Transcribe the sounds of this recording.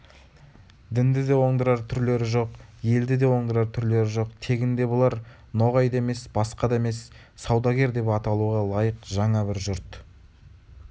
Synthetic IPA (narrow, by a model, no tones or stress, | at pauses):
d̪ɪnd̪ɪd̪e̞wo̞ɴd̪əɾɑɾt̪ʰʏɾle̞ɾɪʒo̞qje̞ld̪ɪd̪e̞wo̞ɴd̪əɾɑɾt̪ʰʏɾle̞ɾɪʒo̞qt̪ʰe̞ɡʲɪnd̪e̞bolˠɑɾ | no̞ʁɑjd̪ɑe̞me̞sbɑsqɑd̪ɑe̞me̞sː | ɑwd̪ɑɡʲe̞ɾd̪e̞pɑt̪ɑlˠuʁɑlˠɑjəqʒɑɴɑbɪɾʒʊɾt̪